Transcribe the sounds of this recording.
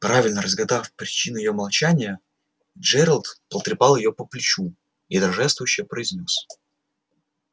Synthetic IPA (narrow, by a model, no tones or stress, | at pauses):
pɾavʲɪlʲnəɾəzɡɐd̪afpɾʲɪt͡ɕinʊjɪjo̞mɐlˠt͡ɕænʲɪjə | d͡ʒɛɾəlˠt̪pəlˠt̪ɾʲɪpɑlˠjɪjo̞pəplʲɪt͡ɕu | id̪ɐɾɐʐɛst̪vʊjʊɕːɪjəpɾəɪzʲnʲos